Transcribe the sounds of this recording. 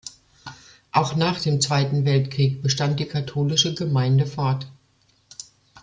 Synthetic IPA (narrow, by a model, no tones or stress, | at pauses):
ʔaʊxnaːχd̥eːmt͡sv̥aɪtn̩vɛltkʁ̥iːk̚b̥əʃtant̚d̥iːkʰatʰoːlɪʃəɡəmaɪndəfaɐt